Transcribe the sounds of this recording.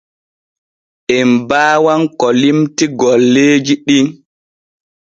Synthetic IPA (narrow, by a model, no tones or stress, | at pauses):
ʔɛmbaːwankɔlimtiɡɔlːeːd͡ʒiɗin